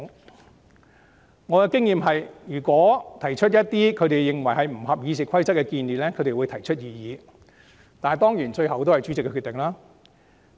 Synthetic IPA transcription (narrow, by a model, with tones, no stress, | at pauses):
ŋɔː˨˧kɛ˧kɪ˥ŋjiː˨˧mɦɐ˨jjyː˨˩kwɔː˨˥t̪ʰɐ˨˩jt͡ʃʰt̚jɐ˥t̚t̪iː˥kʰɵ˨˧ɥt̪e˨jːɪ˨ŋwɐ˨˩jɦɐ˨jm̩˨˩hɐ˨p̚jiː˨˧sɪ˨kʰɐ˥jt͡sɐ˥t̚kːɛ˧kiː˧nliː˨˩lɛː˥kʰɵ˨˧ɥt̪e˨jwu˨˧jt̪ʰɐ˨˩jt͡ʃʰɵ˥t̚jiː˨˧jiː˨˧ | t̪aː˨n˨˩t̪ɔː˥ŋjiː˨˩nt͡ʃɵ˧ɥhɐ˨wt̪o˥whɐ˨jt͡sy˨˥t͡sɪ˨kːɛ˧kʰy˨˧t̪ːɪ˨ŋlaː˥